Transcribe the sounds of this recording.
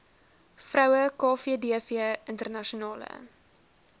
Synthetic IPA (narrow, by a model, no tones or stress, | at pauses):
frœwəkɑːfiədiəfiəəntərnɐʃionɑːlə̰